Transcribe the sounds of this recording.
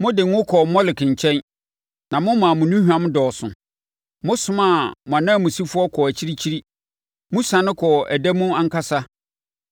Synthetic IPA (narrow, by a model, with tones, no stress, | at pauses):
mʊ̃˦dɪ˨ŋ˦ʊ̃˦kʰɔ˨mɔ˦lɪ˨kʰɪ̃˨ɲ˨t͡ɕʰɛ̃˦n | nã˨mʊ̃˦mã˨mʊ̃˨nũ˦hᶣu˨ã˦m˦dɔː˨sʊ̰̃˨ | mʊ̃˦sʊ̃˦mã˦˨mʊ̃˨ã˨nã˦˨mũ˨si˦fʊ˦ɔ˦kʰɔ˨æ˨t͡ɕʰi˦ɾi˦t͡ɕʰi˦ɾi˦ | mũ˦sã˨nɪ̃˦kʰɔ˨æ˨dæ˦mũ˦ã˦ŋ̩˦ka˦sa˦